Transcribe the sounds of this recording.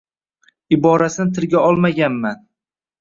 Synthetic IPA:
ɪbɒɾasɪnɪt̪ʰɪɾɡʲaɒlˠmaɡʲanman

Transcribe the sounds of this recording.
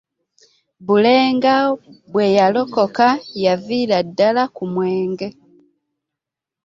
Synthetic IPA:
βuleːŋɡaβwejalo̞ko̞kajaviːladːalakumweːŋɡe

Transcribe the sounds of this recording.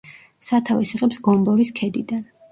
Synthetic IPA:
sat̪ʰavisiʁʼɛpsɡɔmbɔɾiskʰɛd̪id̪an

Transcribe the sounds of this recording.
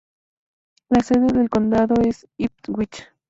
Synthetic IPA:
laseðeðelkond̪aðoes | ip̪̚wʷit͡ʃḁ

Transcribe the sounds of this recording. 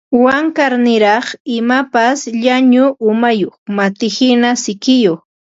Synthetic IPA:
waŋkaɾnɪɾɑχɪmapasʎaɲʊʔʊmajoχmat̪ɪhɪnasɪkɪjoχ

